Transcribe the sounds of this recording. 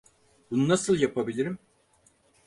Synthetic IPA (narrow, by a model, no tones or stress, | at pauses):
bununasɯlˠjapʰabilʲiɾim